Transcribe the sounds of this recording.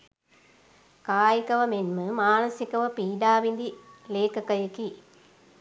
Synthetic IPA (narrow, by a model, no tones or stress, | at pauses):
kaːjɐkɐʋɐmenmɨmaːnɐsikɐʋɐpiːɖaːʋind̪ileːkɐkɐjɐki